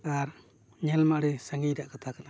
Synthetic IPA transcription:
aɾ | ɲɛlmaʔɽisaŋɡidaʔkat̪ʰakana

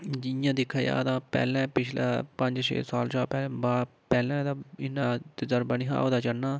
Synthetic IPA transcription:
d͡ʒɪjãːd̪ɪkʰːaːjã̰ːd̪ãːpɛ̰ːlɛ̃ːpɪt͡ʃʰla̰ːpəɲd͡ʒʃḛːsaːlt͡ʃaːpɛːl̃ːbaː | pɛːlɛ̃ːd̪ãːɪnːãːt̪ɪzəɾbəniːɦã̰ːoːd̪aːt͡ʃəɽnaː

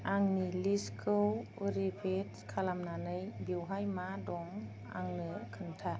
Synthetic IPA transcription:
aŋniliskʰɯwuɾipʰetkʰalamnanɯjbiwɦajmadɔŋ | a̰ŋnɯkʰɯntʰa

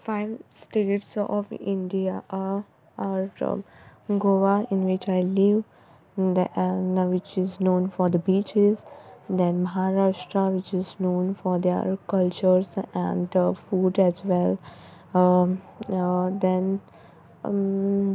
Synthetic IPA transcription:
faɪʋsʈeːʈsɔ̰ʋɪ̰̃ɳɖia | aɾ̰ | ɡoːʋaɪ̃nʋɪt͡ʃaɪlɪʋ | d̪naʋɪt͡ʃɪznõːnfɔɾd̪əbiːt͡ʃɪzd̪ɛ̃nməɦaɾaːʃʈɾaʋɪt͡ʃɪznõːnfɔɾd̪ḛɾkʌlt͡ʃəɾzæ̰̃ɳɖfuːɖɛzʋɛl | d̪ɛ̃n

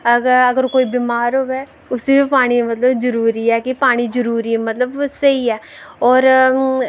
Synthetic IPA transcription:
əɡəəɡəɾkoːiːbiːmaːɾɦoːbɛː | ʊsibipaːɽ̃imət̪ləbd͡ʒəɾuːɾiːɛːkɪpaːɽ̃iːd͡ʒəɾuːɾimət̪ləbsəiːɛːɔːɾ

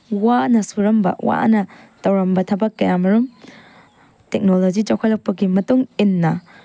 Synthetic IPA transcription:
wanɐsuɾɐmbɐ̰wa̰nɐtɐwɾɐmbɐtʰɐbɐkːɐjamɐɾum | tek̚nolod͡ʒid͡ʒawkʰojlɐk̚pɐɡimɐtuŋinːɐ

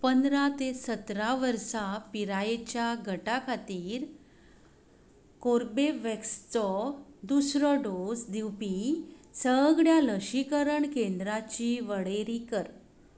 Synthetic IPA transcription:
pənd̪ɾat̪esət̪ɾaʋəɾsapiɾaet͡ɕjaɡʱəʈakʰat̪iːɾ | koɾbeʋekst͡sɔd̪usɾɔɖod͡zd̪iwpisəɡɭjaləɕikəɾəɳkend̪ɾat͡ɕiʋəɽeɾikəɾ

